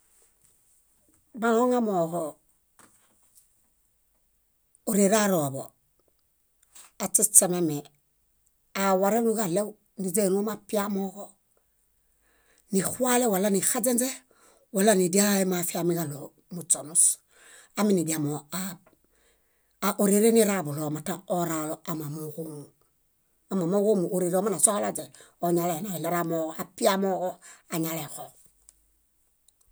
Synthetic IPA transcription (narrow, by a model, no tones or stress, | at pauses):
maoŋamoho | oɾeɾaɾobo̰ | at͡ʃet͡ʃememe | awaɾenuɡalew | nid͡ʒenumapiamoko | nixualewalanixad͡ʒend͡ʒe | walːanidiaemafiamiɡalo | mut͡ʃonus | aminidiamoa | ʔoɾeɾeniɾabulomataoɾaloamamuɣomu | amamokomuoɾiɾomanasokalad͡ʒe | oɲalaenailaɾamoɣoapiamoɣoaɲalexo